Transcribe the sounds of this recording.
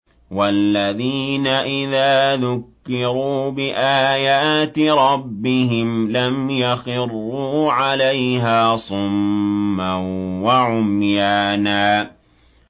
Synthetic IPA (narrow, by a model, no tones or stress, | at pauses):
walːaðiːnaʔɪðaːðʊkːɪɾuːbɪʔaːjaːt̪ɪɾˤɑbːɪɦɪmlamjaxɪrːuːʕalajɦaːsˤʊmːawaʕʊmjaːnaː